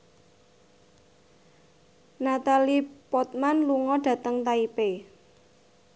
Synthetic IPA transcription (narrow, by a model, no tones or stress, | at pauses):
nat̪alipɔt̪̚manluŋɔɖ̥ä̤t̪əŋt̪aipe